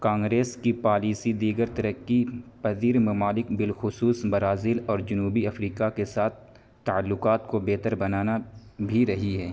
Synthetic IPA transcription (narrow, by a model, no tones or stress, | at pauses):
kãːŋɡɾeːskipaːliːsid̪iːɡəɾt̪ɐɾəkːipɐziːɾmɐmaːlɪkbɪlxʊsuːsbɐɾaːzɪlɔːɾd͡ʒʊnuːbiɐfɾiːkakesaːt̪̚ʰ | t̪ɐəlːʊkaːt̪kobɛːt̪əɾbɐnaːnabʱiɾɐɦiɦɛː